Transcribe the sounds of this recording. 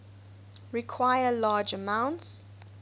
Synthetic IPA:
ɹikʰwaɪəlaːd͡ʒəmãʊ̃nts

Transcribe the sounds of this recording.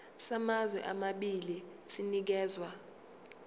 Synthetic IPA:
samazwɛ̰ʔamaɓili | sinik̬ɛːzwa

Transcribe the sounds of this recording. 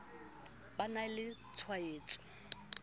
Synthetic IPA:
banalɪt͡sʰwaeːt͡sʼɔ̥

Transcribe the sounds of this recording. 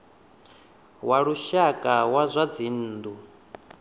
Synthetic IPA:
waɺuʃakʼawazʷad͡zin̩ːdu

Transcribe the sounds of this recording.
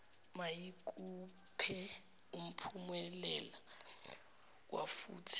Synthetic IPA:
majikʼu | pʰɛ | um̩pʰumɛlɛla | wafṵːtʰi̥

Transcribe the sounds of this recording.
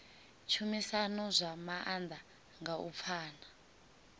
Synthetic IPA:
t͡ʃʰumisanɔzʷamaʔand̪a | ŋɡaṵp̪fʰaːna

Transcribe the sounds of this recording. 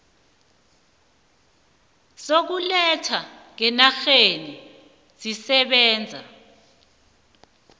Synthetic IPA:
sok̬ulɛtʰaŋ̬ɛnaxeni | z̥isɛɓɛːnd͡zʱa̰

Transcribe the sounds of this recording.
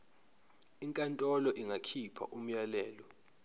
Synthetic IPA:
iŋkʼantʼɔlɔʔiŋʱakʰipʰa̰ʔum̩jalɛːlɔ

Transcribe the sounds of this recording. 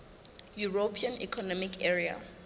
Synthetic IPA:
juɹopʰianḭkʰɔnɔmikʰɛɹia̰

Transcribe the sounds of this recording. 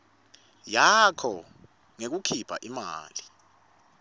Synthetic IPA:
jakʰɔ | ŋek̬ukʰipʰa̰ʔima̰ːli

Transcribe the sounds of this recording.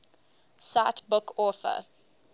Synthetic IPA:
satbʊkʰɔθə̰

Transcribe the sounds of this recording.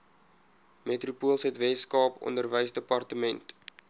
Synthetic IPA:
metrupuəlˠsɦɛtvɛtskɑːpɔ̰ndərvəjsdəpɐrtəmɛnt

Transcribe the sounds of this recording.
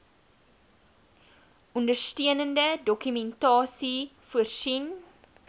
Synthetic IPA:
ɔndərstiənəndədɔkymɛntɑːsifuərsin

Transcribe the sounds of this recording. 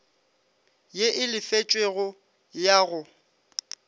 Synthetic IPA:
jeʔɪlɪfet͡ʃʼweɣʊ | jaːɣʊ

